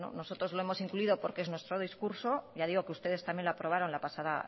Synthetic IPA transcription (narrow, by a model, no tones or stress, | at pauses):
no̰no̞so̞t̪ɾo̞zlo̞e̞mo̞siŋkluiðo̞po̞ɾkeenwe̞st̪ɾo̞ðiskuɾso̞ʝað̞iɣo̞keust̪e̞ð̞est̪amje̞nlapɾo̞βaɾo̞nlapasaða̰